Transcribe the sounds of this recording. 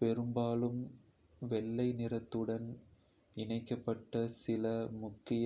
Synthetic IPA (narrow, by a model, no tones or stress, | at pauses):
pɛɾɯmbaːlɯm | ʋɛɭːɐɪnɪrɐt̪ːɯɽɐn | ɪɳɐɪkːɐpːɐʈːɐsɪlɐmʊkːɪj